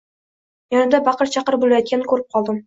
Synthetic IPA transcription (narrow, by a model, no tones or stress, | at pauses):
jɒnɪd̪abɑqəɾt͡ʃʰɑqəɾbolˠajɒt̪̚kʲankʰʲɵɾɪp̚qʰɒlˠd̪ɪm